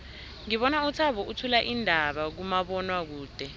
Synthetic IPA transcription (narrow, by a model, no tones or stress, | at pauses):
ŋiɓɔnaut͡sʰaɓɔʔutʰulaʔindʱaɓak̬umaɓɔnwak̬uːd̥ʱɛ